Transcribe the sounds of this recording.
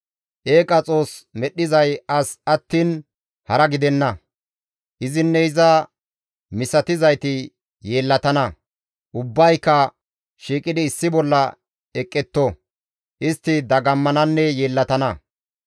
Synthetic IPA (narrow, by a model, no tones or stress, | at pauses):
ʔeːkʼɐt͡sʼo̞ːsmɛɗːɪzɐjɐsɐt̪ːiːn | hɐɾɐɡɪd̪ɛnːɐ | ʔɪzɪnːɛɪzɐ | mɪsɐt̪ɪzɐjt̪ɪ | jeːlːɐt̪ɐnɐ | ʔʊbːɐjkːɐ | ʃiːkʼɪd̪ɪːsːɪbɔlːɐ | ɛkʼːɛt̪ːo | ʔɪst̪ːɪd̪ɐɡɐmːɐnɐnːɛjeːlːɐt̪ɐnɐ